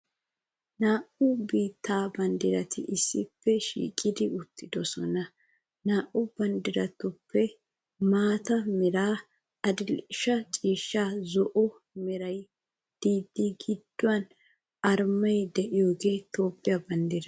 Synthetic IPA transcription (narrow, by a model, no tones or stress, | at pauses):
naːʔʊbiːt̪ːaːbɐnd̪ɪɾɐt̪ɪ̰ʔɪsːɪpːɛʃḭːkʼːɪd̪ɪʊt̪ʰːɪd̪ɔsɔnɐ | naːʔʊb̥ɐnd̪ɪɾɐt̪ʊpːɛ | maːt̪ɐmɛɾaː | ɐd̪ɪlʃɐt͡ʃʼiːʃːaːzɔʔɔ | mɛɾɐj | d̪̥iːd̪ːiɡɪd̪ːʊɐn | ɐɾmɐjd̪ɛʔɪjo̞ːɡeːt̪o̞ːpːɪjabɐnd̪ɪɾɐ